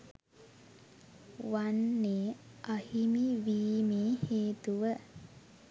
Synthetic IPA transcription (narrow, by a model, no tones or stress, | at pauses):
ʋanːeːʔahimiʋiːmeːheːt̪uʋə